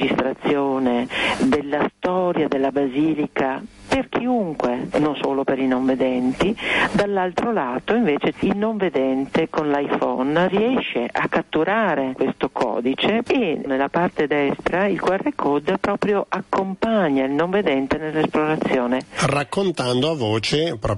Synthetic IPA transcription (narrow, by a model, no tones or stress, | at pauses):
d͡ʒist̪ɾat̪sːjoːned̪elːast̪ɔːɾjad̪elːabaziːlika | perk̟ʰiuŋkwenonso̰ːlopeɾinoɱved̪ɛnt̪id̪alːalt̪ɾolaːt̪oiɱveːt͡ʃeilnoɱved̪ɛnt̪ekonlajfɔnriɛʃːeʔakːat̪ːuɾʔaːɾekwest̪okʰɔ̰ːd̪it͡ʃeːnelːapart̪ed̪ɛst̪ɾailkwarːekʰod̪pɾɔːpɾjoʔakːompaɲːailnoɱved̪ɛnt̪enelːesploɾat̪sːjoːnerakːont̪and̪oavoːt͡ʃepɾɔ